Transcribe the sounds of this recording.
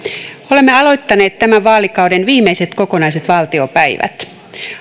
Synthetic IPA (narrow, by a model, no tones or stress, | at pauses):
o̞le̞mːeɑlo̞jt̪ːɑne̞ːt̪ːæmæʋʋɑːlikɑwdenʋiːmːejset̪ko̞ko̞nɑjs̬e̞t̪ʋɑːlt̪io̞pæjʋæ̰t̪